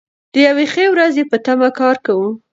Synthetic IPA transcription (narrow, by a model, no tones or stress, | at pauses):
d̪̥əjawexewɾazepət̪amakɑɾkawu